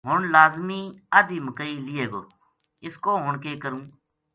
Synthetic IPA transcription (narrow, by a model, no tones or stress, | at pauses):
ɦʊɳlaːzmiːəd̪iːməkəiːlɪːeːɡoː | ɪskoːɦʊɳkeːkəɾũː